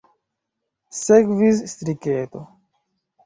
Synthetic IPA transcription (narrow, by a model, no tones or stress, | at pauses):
sekvizst̪ɾikeːt̪o